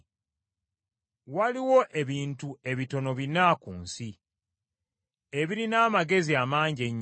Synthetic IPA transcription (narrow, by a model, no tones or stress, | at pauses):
waliwo̞ʔe̞βiːntue̞βito̞no̞βinaːkṵːnsi | e̞βiɾinaːmaɡe̞ziamaːɲɟeɲː